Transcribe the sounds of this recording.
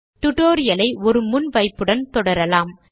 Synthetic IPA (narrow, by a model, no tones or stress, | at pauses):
t̪ʊʈːoːɾɪjɐlɐɪɔɾɯmʊnʋɐɪpːɯɽɐnt̪ɔɽɐɾɐlaːm